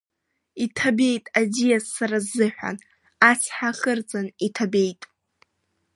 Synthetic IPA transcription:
itʰabe̞jtʼadijazːaɾazːɨħᶣʷa̰n | at͡sʰħaχɨrt͡sʼanitʰabe̞jtʼ

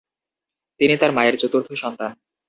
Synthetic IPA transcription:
t̪init̪aɾmaeɾt͡ɕot̪uɾt̪ʰoʃɔnt̪an

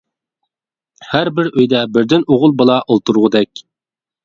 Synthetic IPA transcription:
hæɾbɪɾøjd̪ɛbɪɾd̪ɪnoʁʊlˠbəlˠɑʔolˠt̪ʰuɾʁʊd̪ɛkʲ

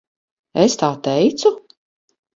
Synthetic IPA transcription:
est̪aːt̪ɛjt̪su

